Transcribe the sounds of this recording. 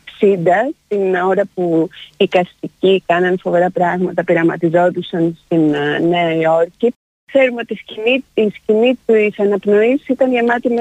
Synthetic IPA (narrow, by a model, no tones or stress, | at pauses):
sind̪ɐst̪ino̞ɾɐpuikɐst̪icikɐnɐnfo̞ve̞ɾɐpɾɐɣmɐt̪ɐpiɾɐmɐt̪izo̞t̪usɐnst̪innejo̞ɾci | θe̞ɾumeo̞t̪isiniiscinit̪usɐnɐpno̞issit̪ɐnʝɐmɐt̪im